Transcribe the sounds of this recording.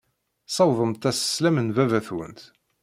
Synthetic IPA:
sˤɑwðˤəmt̪æsə̥slæmənvævæθwə̰nt̪

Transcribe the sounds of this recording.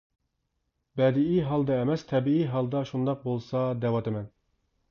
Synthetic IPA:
bɛd̪ɪiɦɑlˠd̪ɑɛmɛst̪ʰɛbiiɦɑlˠd̪ɑʃund̪ɑq̚bolˠsɑd̪ɛwɑt̪ɛmɛn

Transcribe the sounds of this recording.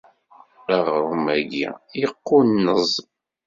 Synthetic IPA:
aʁɾumæɡḭjəqːunːəzˤ

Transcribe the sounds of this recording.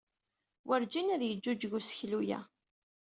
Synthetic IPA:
wʔəɾd͡ʒinæðjəd͡ʒːud͡ʒʝusəçlujæ̰

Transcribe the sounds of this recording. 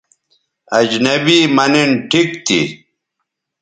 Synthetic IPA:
ɐd͡ʑnɐbiːmɐninʈʰikt̪ʰḭ

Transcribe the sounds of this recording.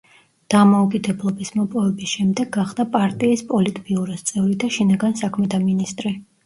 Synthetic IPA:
d̪̥amaukʼid̪ɛblˠɔbismɔpʼɔvɛbisʃɛmd̪ɛɡaχd̪apʼaɾt̪ʼiːspʼɔlit̪ʼpʼiuɾɛst̪sʼɛvlid̪aʃinaɡansakʰmɛt̪ʰaminist̪ʼɾi

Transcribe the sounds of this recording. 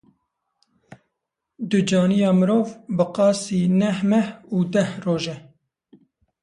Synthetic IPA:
d̪ɨd͡ʒɑːnijɑːmɨɾoːvbɨqɑːsiːnɛhmɛhuːd̪ɛhroːʒɛ

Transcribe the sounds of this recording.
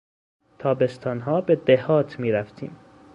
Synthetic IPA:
t̪ʰɒːbe̞st̪ʰɒːnɦɒːbed̪ehɒːt̪ʰmiːɾæft̪ʰḭːm

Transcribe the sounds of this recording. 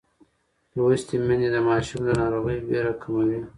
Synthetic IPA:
ɾoist̪imined̪əmɑːʃumlənɑɾoɣəjbeɾakʰamawi

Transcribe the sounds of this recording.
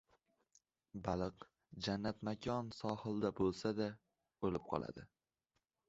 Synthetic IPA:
balˠɨq | d͡ʒanːat̪makʲʰɒnsɒhɨlˠd̪abolˠsad̪a | olɪp̚qʰɒ̰lˠa̰d̪ɪ

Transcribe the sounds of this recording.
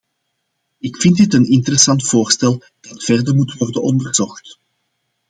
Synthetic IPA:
ɪkfɪndɪtənɪntəɾɛsɑntfoːrstɛlˠ | d̥ɑtfɛrdərmutʋɔrdənɔndərz̥ɔxt

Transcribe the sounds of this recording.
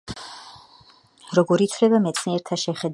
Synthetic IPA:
ɾɔɡɔɾit̪ʰvlɛbamɛt̪sʰniɛɾt̪ʰaʃɛχɛd̪

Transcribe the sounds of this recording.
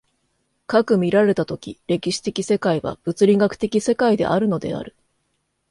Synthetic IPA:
kakɯ̟mʲiɾaɾe̞t̪at̪o̞kʲiɾe̞kʲiɕi̥t̪e̞kʲise̞kaiβa̰b̥ɯ̟t͡sɨɾʲiɡakɯ̟̥t̪e̞kʲise̞kaid̪e̞̰ʔaɾɯ̟no̞d̪e̞̰a̰ɾɯ̟

